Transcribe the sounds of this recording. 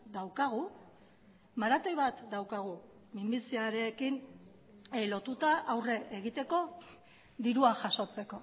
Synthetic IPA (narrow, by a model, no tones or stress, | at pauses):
d̪awkaɣ̞u | maɾat̪o̞jβat̪d̪awkaɣ̞u | mimbit͡siaɾeːkin | lo̞t̪ut̪aʔawre̞ʔeɣit̪e̞ko̞ | d̪iɾuaʝaso̞t͡se̞ko̞